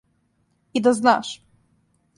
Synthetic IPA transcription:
id̪ɔzna̰ʂ

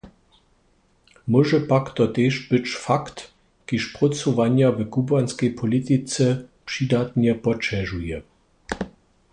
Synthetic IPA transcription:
mɔʒɛpakt̪ɔt̪eʃbɘt͡ɕfakt̪ | kiʃpʁɔsuvaɲavəkubanskɛjpʰɔlit̪it͡sɛpʂid̪at̪ɲɛpɔt͡ʃɛʒujɛ

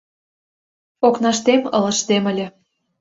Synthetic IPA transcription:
oknɑʃt̪emɤ̆lɤ̆ʃt̪emə̆lʲĕ

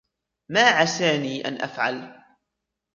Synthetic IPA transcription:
maːʕasaːniːʔa̰nʔa̰fʕal

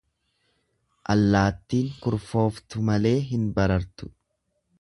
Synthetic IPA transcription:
ʔɐlːaːt̪ːiːŋkʊɾfo̞ːft̪ʊmɐle̞ːɦɪnbɐɾɐɾt̪ʊ̥

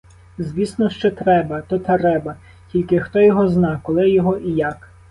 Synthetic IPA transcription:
zʲʋʲisnɔʃt͡ʃɛt̪ɾɛbɐt̪ɔt̪ɐɾɛbɐ | tʲilʲkɪxt̪ɔjɔɦɔznɑkɔlˠɪjɔɦɔʔijak

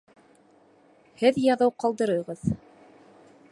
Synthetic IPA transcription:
hɘðjɑðɤwqɑlˠd̪ɤ̆ɾɤʁɤð

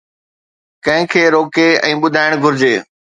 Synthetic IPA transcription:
kɐ̃ɦɪ̃kʰeːɾoːkeɛ̰̃ːɓʊd̪ʱaːɪɽ̃ɡʱʊɾɪd͡ʑeː

